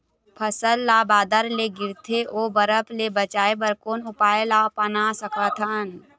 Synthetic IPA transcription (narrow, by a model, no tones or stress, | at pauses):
pʰəsəlːaːbaːd̪əɾleɡɪɾt̪ʰeʔoːbəɾəpʰlebət͡ʃaːebəɾkoːnʊpaːelaːpənasəkʰət̪ʰən